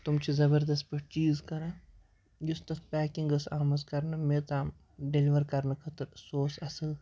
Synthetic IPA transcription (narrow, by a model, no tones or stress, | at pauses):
t̪ʊmt͡ʃʰizɐbəɾd̪ɐst̪̚pɐʈt͡ʃiːzkɐɾãː | jʊst̪ɐt̪ʰpɛːkiŋɡɐsaːmɐzkɐɾnɐmet̪aːm | ɖeliʋɐɾkɐɾnɐkʰɐt̪ɨɾsoːsɐsəl